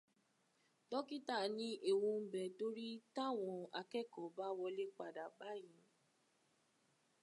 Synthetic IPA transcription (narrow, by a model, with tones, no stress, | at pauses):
tɔ˦ki˦ta˦˨nĩ˦ʔe˨wũ˧m̩˦bɛ˨to˦ɾi˦ta˦˨w̃ɔ̃˧a˧kɛ˦˨kɔ˨ba˦wɔ˧le˦k͡pa˨da˨ɡ͡ba˨˦jĩ˨˦